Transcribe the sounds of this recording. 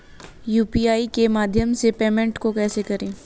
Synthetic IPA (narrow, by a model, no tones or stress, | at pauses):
juːpiːaːikemaːd̪ʱjəmsepeːmẽɳʈkokɛːsekɐɾẽː